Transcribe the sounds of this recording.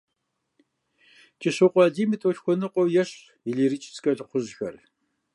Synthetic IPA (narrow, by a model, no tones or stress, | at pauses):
t͡ʃʼɪɕɨqʷʼɑːdiːmitʼoɬxʷɔnɨqʷʼɔwjɛɕʼ | iɮiːɾɨt͡ʃʼɪ̥t͡skʼɐɮqʷʊʑxɐr